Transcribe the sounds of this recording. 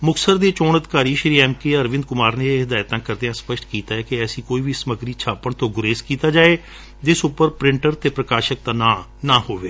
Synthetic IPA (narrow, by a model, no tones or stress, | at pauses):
mʊksəɾd̪eːt͡ʃoːnəd̪ɪkaːɾiːʃɪɾiːɛːmkeːəɾʋɪ̃nd̪kʊmaːɾneːɦɪd̪aːjt̪ãːkəɾd̪eãːspəʃʈkiːt̪aːɛːkɪɛːsĩːkoːiːʋiːsəməɡɾiːt͡ʃʰaːpəɳt̪õːɡʊɾeːskiːt̪aːd͡ʒaːeː | d͡ʒ̪ɪsʊpːəɾpɾɪ̃ɳʈəɾt̪eːpɾəkaːʃək̚d̪aːnãːnaːhoːʋeː